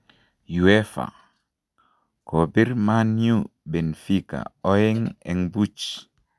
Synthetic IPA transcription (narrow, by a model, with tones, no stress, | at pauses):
ju˨ɛ˦fa̰˨ | ko˨bi˦ɾma˦nju˦bɛ˨nfi˦ka̰˨ɔ˦je˦ŋɛ˨ŋbu˦t͡ʃ